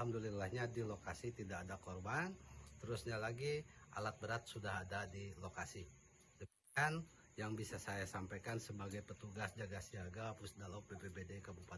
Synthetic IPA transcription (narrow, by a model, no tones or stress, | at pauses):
amdulilahɲadilokasit̪idakːdakɔrbant̪əɾusɲalaɡiʔa̰lat̪̚bəɾat̪̚sudaɦadadilokasi | də | kan | jaŋbisasajasampajkansəbaɡajpət̪uɡasd͡ʒaɡasiaɡapʊsdalapebebedekəbupa